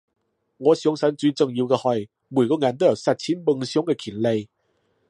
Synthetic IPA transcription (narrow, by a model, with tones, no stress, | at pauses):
ŋɔ˨˧˦ɕjɔ˧˦ŋsa˧˦nt͡swi˧˦t͡sə˧ŋji˧wke˧hɔ˧˩j | mu˨˩˨kɔ˧ŋa˨˦nt̪ə˧˦ja˨˩sa˧t̚t͡ɕʰi˧˦npə˧ŋɕjɔ˧˦ŋe˧kʰi˨˩nle˧j